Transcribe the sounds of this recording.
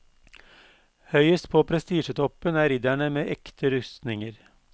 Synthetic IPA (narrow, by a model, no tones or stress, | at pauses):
hœʏəst̪pʰoːpʰɾɛst̪iːʃət̪ʰɔpənæːɾɪd̪æɳəmeːʔɛkt̪ʰəɾʉst̪nɪŋəɾ